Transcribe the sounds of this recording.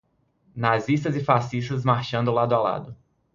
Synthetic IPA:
nazist̪ɐzɪfasist̪ɐzmaɾʃɐ̃nd̪ʊlad̪ʊawla̰d̪ʊ

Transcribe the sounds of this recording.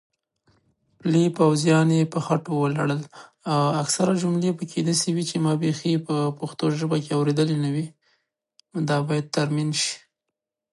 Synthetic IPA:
plipawzjɑnjepəxaʈowəlaɽəl | awaksaɾad͡ʒʊmlepəkʰed̪asewit͡ʃemɑbexipəpoxt̪oʒəbakeawɾed̪əlenawi | nd̪ɑbɑjad̪̚t̪aɾminʃi̥

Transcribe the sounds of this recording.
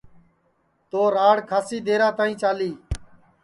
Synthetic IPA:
t̪oːɾaːɽkʰaːsiːd̪eːɾãːt̪aːĩːt͡ʃaːliː

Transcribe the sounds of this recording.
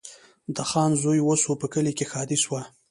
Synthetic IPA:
d̪əxɑnzojwosopəkəlikexɑd̪iswa

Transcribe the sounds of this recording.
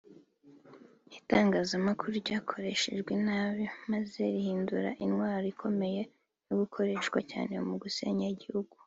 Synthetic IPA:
itaːŋɡaːzamakuɾuɾɟaːkʰoɾe̞ʃe̞ʒɡwenaːβjomaze̞ɾihiːnduɾa̰ʔinwaːɾoikʰo̞me̞je̞ | noɡukʰo̞ɾe̞ːʃɡwa̰ca̰ːne̞umuɡusḛɲaɟihuɡu

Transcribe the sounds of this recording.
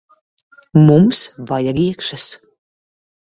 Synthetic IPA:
mumsvajaɾiɛkʃɐs

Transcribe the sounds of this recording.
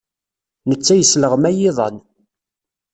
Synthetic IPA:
nət͡sːæjəsləʁmæjɪðˤɑ̰n

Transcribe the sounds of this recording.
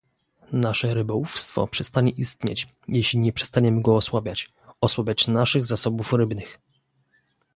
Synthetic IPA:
naʂɛɾɘbɔufst̪fɔ̰pʂɛst̪aɲɛʔist̪ɲḛt͡ɕ | jeɕlʲiɲɛpʂɛ̥st̪aɲɛmɘɡɔːswabʲjat͡ɕ | ɔswabʲjat͡ɕnaʂɘɣzasɔbufɾɘbnɘx

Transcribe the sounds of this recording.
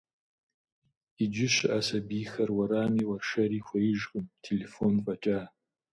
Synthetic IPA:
id͡ʒɪɕʔasɐbixɐrwɐɾaːmiːwɐrʂɐɾiːxʷɐjɪʒɣɨmtʰelefonfʼɐt͡ʃʼaː

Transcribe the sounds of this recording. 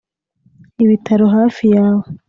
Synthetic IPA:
iβitʰaɾoɦaːfijaːwo

